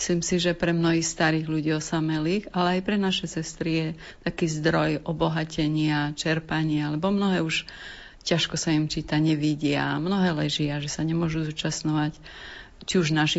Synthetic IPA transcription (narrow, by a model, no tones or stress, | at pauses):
sliːmsiʒɛpɾɛmnɔɦixst̪aɾiːɣʎuɟiːɔsamɛlixalɛajpɾɛnaʃɛsɛst̪ɾijɛ | t̪akiːzd̪ɾɔjʔɔbɔɦacɛɲɪat͡ʃɛɾpaɲɪalɛbɔmnɔɦɛːuʃ | caʃkɔsaimt͡ʃiːt̪aɲɛʋiɟɪa̰mnɔɦɛːlɛʒɪaʒɛsaɲɛmʊɔʒuzuːt͡ʃasɲɔʋac | t͡ʃiuʒnaʃi